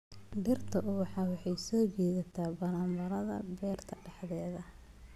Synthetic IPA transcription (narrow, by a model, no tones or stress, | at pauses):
ɖɪrt̪ʰɐʔwɑħɑwɑħɑjsɔːd͡ʒɛːðɐt̪ʰaːbɐɾaːmbɐɾɐðɐ̰bɛːrt̪ʰɐɖɑħðɛːðɐ